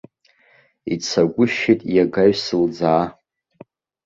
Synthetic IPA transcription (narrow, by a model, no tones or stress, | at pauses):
it͡sʰaɡʷʊʃetʼjaɡaɥsɨld͡zaː